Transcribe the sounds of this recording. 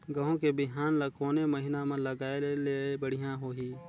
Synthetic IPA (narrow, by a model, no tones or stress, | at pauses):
ɡɐɦõkebɪɦaːnləkoːneməɦɪnamãləɡaːeleebəɽ̤ijãɦoːɦiː